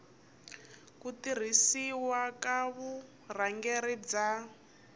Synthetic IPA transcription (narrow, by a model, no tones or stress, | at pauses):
kutir̤isiwakaβu | r̤aŋɡɛɾid͡za